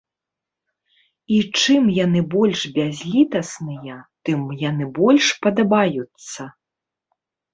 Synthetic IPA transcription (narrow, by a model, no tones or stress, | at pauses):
it͡ʂɨmjanɨbɔlʲʂbʲazʲlʲit̪ɐsnɨjɐt̪ɨmjanɨbɔlʲʂpɐd̪ɐbajut̪sːɐ